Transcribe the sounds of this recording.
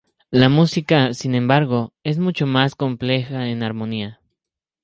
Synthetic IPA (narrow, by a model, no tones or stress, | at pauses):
lamusikasinẽ̞mbaɾɣoe̞s̬mut͡ʃomaskomplexaenaɾmonia